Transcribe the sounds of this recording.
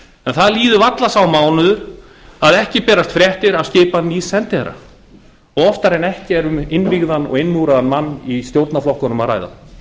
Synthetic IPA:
ɛnθaðliːðʏvat̪lasawmaːwnʏðʏɾ̥ | aðɛhcɪpɛːɾast̪fɾjɛht̪ɪɾascɪːpanisɛnt̪ɪɛ̰ɾa̰ | ɔɣɔft̪aɾɛnɛhcɪɛɾʏmɪnviɣðanɔ̰ɣɪnmuɾaðanmanːist̪jowɾt̪naflɔhkʏnʏmaðra̰jða̰

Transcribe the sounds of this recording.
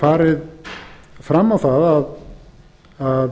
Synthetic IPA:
faːɾɪð | fɾamːawθaðað | að

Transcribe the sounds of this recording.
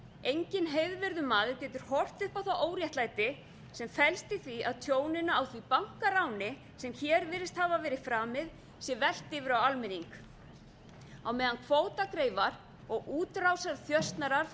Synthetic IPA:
ejɲcɪnɦejðvɪɾðʏmaːðʏɾcɛːt̪ʏɾ̥hɔr̥t̪ʏhpawθawoːwɾjɛht̪laːjt̪ɪ | sɛmfɛlst̪ɪθviaðt̪ʰjoːwnɪnaawθvipaŋ̥kaɾawnɪ | sɛmçɛːɾvɪːɾɪst̪havavɛːɾɪfɾaːmɪð | sjɛvɛl̥t̪ɪvɪɾawalmɪniŋk | awmɛːðankʰv̥oːwt̪akɾeːjvaɾ | ɔɣuːt̪ɾawsaɾθjœst̪naɾaɾ̥

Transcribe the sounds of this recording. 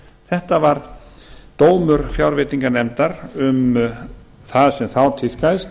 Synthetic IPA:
θɛht̪avaɾ | t̪oːwmʏɾfjawɾvɪːt̪iŋkanɛmt̪aɾʏm | θaðsɛmθawt̪ʰɪlkajst̪

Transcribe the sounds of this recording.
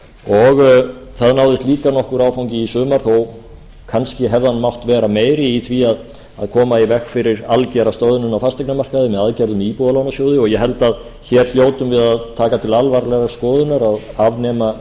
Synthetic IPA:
ɔɣθaðnaːwðɪst̪liːkanɔhkʏɾaːwfawŋcɪisʏːmaɾ̥θɔw | kʰanscɪɦɛvðanmawht̪vɛːɾameːjɾɪiθviað | aðkʰɔːmaivɛxfɪɾɪɾalcɛɾast̪owðʏnʏnawfast̪ɛjknamar̥kaðɪmɛðaðcɛɾðʏmiːpuðalawnasjoːwðɪɔɣjɛɦɛlt̪að | çɛɾ̥l̥joːwt̪ʏmvɪðaðt̪ʰaːkat̪ʰɪlalvaɾlɛɣaskɔːðʏnaɾaðavnɛːma

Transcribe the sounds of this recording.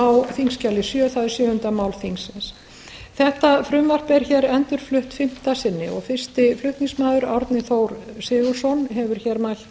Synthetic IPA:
awθiŋscalɪsjœːθaðɪsjœːhʏnt̪amaːwlθiŋsɪns | θɛht̪afɾʏmvar̥pɛɾçɛːɾɛnt̪ʏɾ̥flʏht̪fɪm̥t̪asɪnːɪ̰ɔ̰ɣfɪr̥st̪ɪflʏht̪niŋsmaːðʏɾaɾt̪nɪθowɾsɪːɣʏ̥sɔnɦɛvʏɾ̥çɛːɾmal̥t̪

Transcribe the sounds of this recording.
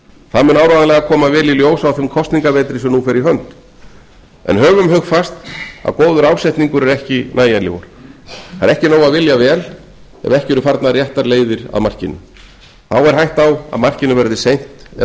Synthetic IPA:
θaðmɛnaːwɾaðalɛɣakʰɔːmavɛːliljoːwsawθɪmkʰɔst̪niŋkavɛːt̪ɾɪsɛmnufɛɾiɦœnt̪ | ɛ̰nɦœːvʏmɦœxfast̪a̰ðkoːwðʏɾawsɛjht̪niŋkʏɾɛɾɛhcɪnaːjanlɪ̰vɔ̰ɾ̥aɾɛhcɪnoːwaðvɪljavɛːl | ɛ̰vɛhcɪɛɾʏfaɾt̪narjɛht̪aɾleːjðɪɾa̰ðmar̥cɪnːʏ̰ | θawɛɾ̥ɦajht̪awa̰ðmar̥cɪnʏvɛɾðɪsejn̥t̪ɛ

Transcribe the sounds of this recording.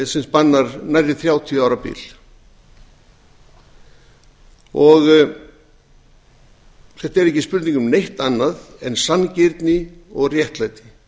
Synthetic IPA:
sɛnspanːaɾnajɾɪθɾjaːwt̪ʰiaːwɾapḭːl̥ | ɔɣ | θɛht̪aɛɾɛhcɪspʏɾt̪niŋkʏmnejht̪anːaðɛnsancɪɾt̪nɪɔɣrjɛht̪lajt̪ɪ̥

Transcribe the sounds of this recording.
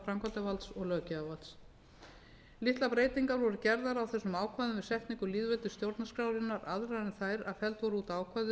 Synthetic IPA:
fɾamkat̪avalt̪sɔɣlœːcɪavalt̪s | lɪht̪lapɾeːjt̪iŋkaɾvɔɾʏcɛɾðaɾawθɛsːʏmaːwkʰvajðʏmvɪðsɛht̪niŋkʏliːðvɛlt̪ʏst̪jowɾt̪naskɾawɾɪnːaɾaðɾaɪnθaːjɾaðfɛlt̪vɔɾʏuːt̪aːwkʰvajðʏ

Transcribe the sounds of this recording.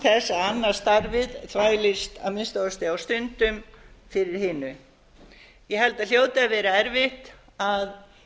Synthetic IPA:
θɛsːaanːḁst̪aɾvɪðθʰvaːjlɪst̪a̰ðmɪðst̪owðast̪ɪawst̪ʏnt̪ʏmfɪɾɪɾ̥hɪːnʏ | jɛhɛl̪t̪aðl̥joːwt̪avɛːɾaɛɾvɪht̪ | að

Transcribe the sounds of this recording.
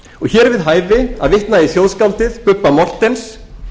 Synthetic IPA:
ɔɣçɛːɾvɪðɦaːjvɪa̰ðvɪht̪naðiθjowðskawlt̪ɪðpʏpːamɔr̥t̪ɛns

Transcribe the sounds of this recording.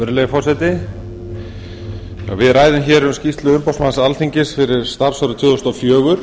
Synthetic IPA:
ʏɾlejfɔrsɛt̪ɪ | a̰ɣvɪðɾaːjðʏmçɛɾɛmscist̪lʏʏmpawsmansalθiɲcɪsfɪɾɪɾ̥st̪aɾ̥sɔɾʏt̪ʰjʏːðɔst̪ɔfjœːɣʏɾ̥

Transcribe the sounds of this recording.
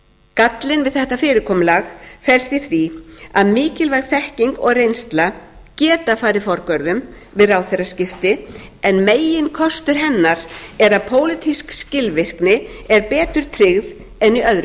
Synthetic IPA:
kat̪lɪnvɪðθɛht̪afɪːɾɪkʰɔːmlaxfɛlst̪ɪθvɾiaðmɪːcɪlvajɣ̥θɛhciŋkɔɣrejnst̪la | cɛːt̪afaːɾɪfɔɾkœɾðʏm | vɪðrawθerascɪft̪ɪɛnmeːjɪnkʰɔst̪ʏɾ̥ɦɛnːaɾɛɾaðpʰoːwlɪt̪ʰiskscɪlvɪr̥knɪɛɾpɛːt̪ʏɾ̥t̪ʰɾɪɣð | ɛniœðɾʏ

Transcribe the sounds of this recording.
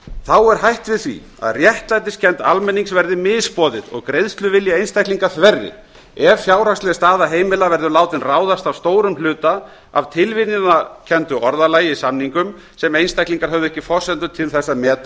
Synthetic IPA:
θawɛɾ̥ɦajht̪vɪðθvḭ | a̰ðrjɛht̪lajt̪ɪscʰɛnt̪almɛnːiŋsvɛɾðɪmɪðspɔːðɪðɔ̰ɣkɾejðst̪lʏvɪljaejnst̪ajhkliŋkaθvɛrːɪ̰ | ɛvfjaːwɾakslɛst̪aːðaɦeːjmɪlavɛɾðʏlaːwt̪ɪnraːwðast̪avst̪oːwɾʏmlʏːt̪a | a̰vt̪ʰɪlvɪnɪnacʰɛnt̪ʏʔɔɾðalaːjɪisamniŋkʏm | sɛmejnst̪ajkliŋkaɾ̥ɦœvðʏɛhcːɪfɔr̥sɛnt̪ʏt̪ʰɪlθɛsːamɛːt̪a

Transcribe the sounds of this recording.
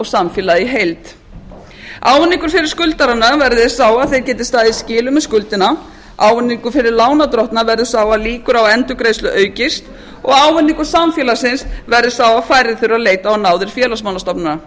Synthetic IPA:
ɔɣsamfjɛːlaðiɦejlt̪ | aːwvʏnːiŋkʏɾ̥fɪɾɪ̥ɾ̥skʏlt̪aɾanavɛɾðɪsaːwaðθejɾcɛːt̪ɪst̪aːðɪiscɪːlʏmɛðskʏlt̪ɪna | ʔaːwvʏnːiŋkʏfɪɾɪɾlaːwnat̪ɾɔht̪navɛɾðɪsaːwaliːkʏɾawɛnt̪ʏkɾejstlʏʔœːɥcɪst̪ | ɔɣawvʏnːiŋkʏɾ̥samfjɛlasɪnsvɛɾðɪ̥saːwafaːjɾɪθɪɾʏɾaleːjt̪aɔnaːwðɪɾ̥fjɛːlasmawlast̪ɔpnʏɾa

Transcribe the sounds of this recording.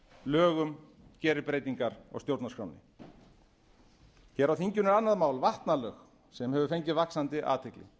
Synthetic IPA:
lœːɣʏm | cɛːɾɪpɾeːjt̪iŋkaɾɔ̰st̪jowɾt̪naskɾa̰wnɪ̰ | cɛːɾawθiɲcʏnɪɾanːaðmaːwlvaht̪nalœx | sɛmɦɛvʏfejɲcɪvaksant̪ɪʔa̰ːt̪ʰɪklɪ̰

